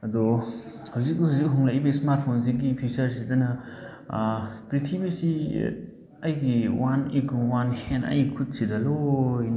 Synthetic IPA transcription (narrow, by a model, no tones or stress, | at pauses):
ɐd̪ɔ | hawzik̚ːhazikɦɔŋlaʔbɐismaɾt̚pʰons̬iɡipʰisɐɾsidɐnɐ | pɾitʰibɐsi | ɐjɡiwanikwanhenɐ̰jikʰut̚sidɐlon